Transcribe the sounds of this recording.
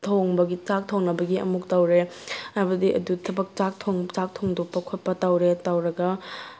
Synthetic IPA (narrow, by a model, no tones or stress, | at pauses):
tʰoŋbɐɡit͡ʃak̚tʰoŋnɐbɐɡiɐ̰muk̚tawɾeabɐdiʔɐ̰dutʰɐbɐk̚t͡ʃak̚tʰoŋt͡ʃak̚tʰoŋdok̚pɐkʰot̚pɐtawɾetawɾɐɡɐ